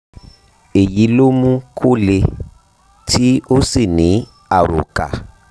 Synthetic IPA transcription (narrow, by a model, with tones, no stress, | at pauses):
e˨ji˨˦lo˦mũ˦kʰo˦le˧ | tʰi˦o˦si˦˨nĩ˨˦ | a˦˨ɾo̰˨ka̰˨